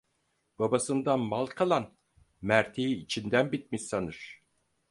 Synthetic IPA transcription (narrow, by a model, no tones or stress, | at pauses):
b̥abasɯnd̪anmalˠkʰalˠan | mæɾt̪ʰiːt͡ʃʰind̪ænbit̪̚miʃsanɯɾ̥